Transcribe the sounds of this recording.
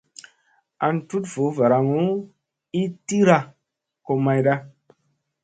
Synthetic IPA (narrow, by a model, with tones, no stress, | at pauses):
a˧ntu˦tv̥o˨˦va˨ɾa˧ŋu˦ | i˦ti˦ɾa˧ | ko˧ma˧jɗa˦